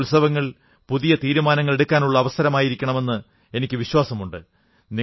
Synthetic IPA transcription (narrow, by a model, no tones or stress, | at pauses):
lsɐʋɐŋːɐɭ | puðijɐt̪iːɾumaːnɐŋːɐɭe̞ɽukːaːnuɭːɐːʋɐsɐɾɐmaːjiɾikʲːɐɳɐme̞nːɨ | e̞nikʲːɨʋiɕwaːsɐmuɳɖɨ | ni